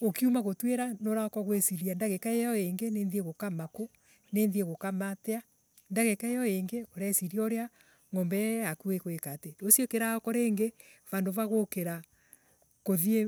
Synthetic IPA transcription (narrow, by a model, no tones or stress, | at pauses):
okiumaɣotweɾanoɾaɔkɔɣwesiɾiandaɣekaejɔeŋɡeneːnðieɣokamako | neːnðieɣokamatea | ndaɣekaejɔeŋɡeoɾaesiɾiaoɾea | ŋɔmbɛakuekwekatedosiokeɾaɔkɔɾeːŋɡevandovaɣokeɾa | koðie